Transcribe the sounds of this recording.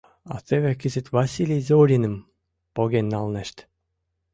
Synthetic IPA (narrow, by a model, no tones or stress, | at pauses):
ɑ̰t̪eβĕkɘzɘ̆t̪ʲvɑsʲilʲejzoɾʲinɘ̆m | poɣʲenʲːɑlˠneʃt̪